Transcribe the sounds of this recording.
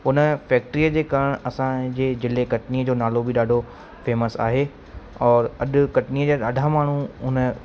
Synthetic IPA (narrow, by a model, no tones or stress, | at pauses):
ʊnəfɛːk̚ʈɾiːəd͡ʑeːkaɾəɽ̃ɐsãd͡ʑeːd͡ʑɪlekɐʈniːəd͡ʑoːnaːlobiɗaːɖʱo | feːməsa̰ːɦeː | ɔːɾɐɗʊ̆kɐʈniːəd͡ʑaːɗaːɖʱamaːɳ̤ũʊnə̆